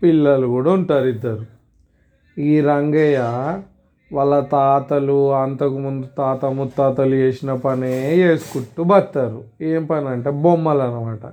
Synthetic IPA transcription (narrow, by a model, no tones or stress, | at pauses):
pilːɐlukuːɽauɳʈaːɾid̪ːaːɾu | iːɾɐŋɡɐjɐ | ʋɐlːɐt̪aːt̪ɐluɐnt̪ɐkumund̪ut̪aːt̪ɐmut̪ːaːt̪ɐlut͡ʃeːsinɐpɐnejeːsu̥kuʈːubɐt̪ːaːɾueːmpɐnɐɳʈe̞ːbomːɐlɐnɐmaːʈɐ̰